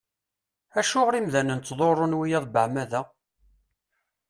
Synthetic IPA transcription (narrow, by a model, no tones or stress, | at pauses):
æʃʊʁɾimðænənt͡s̪ːðˤorˤːonwijæðˤbəʕmæðæ